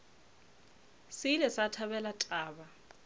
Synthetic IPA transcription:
sɪlɛsatʰaβɛlatʼaːba

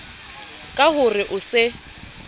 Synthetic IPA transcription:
kʼahʊrɪʔʊsɪ

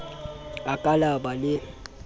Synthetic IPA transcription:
akʼalabalɪ

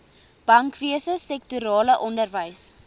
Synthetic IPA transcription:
b̥ɐŋkviəsəsɛktuɾɑːləʔɔndərvəjs

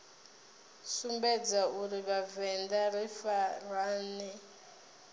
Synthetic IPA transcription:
sumbɛd͡zauɾiβavɛndaɾifaraːni

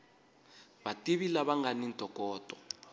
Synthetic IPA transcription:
βatʼiβilaβaŋɡanin̩tʼɔkʼɔːtʼɔ̥

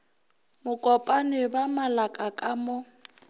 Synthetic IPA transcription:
mʊkʼɔpʼanɪbamalakʼakʼamʊ

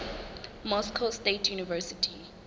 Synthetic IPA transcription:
mɔskʰɔstetʰjunivɛsitʰi

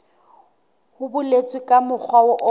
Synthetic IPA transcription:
hʊbʊlet͡sʼwɪkʼamʊk͡xʰwaʊʔɔ

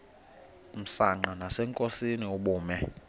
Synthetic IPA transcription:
m̩saŋ͡ǃanasɛŋkʼosinioɓuːmɛ

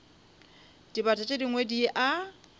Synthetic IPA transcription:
d̥ibatʼat͡ʃʼediŋwediʔa

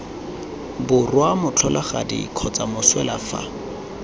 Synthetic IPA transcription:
bʊrwamʊt͡ɬʰɔlʔaχa̰dḭkʰɔt͡samʊswɛlafa̰

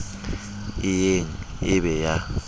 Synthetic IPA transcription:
ɪjeŋ | ɪɓɛja

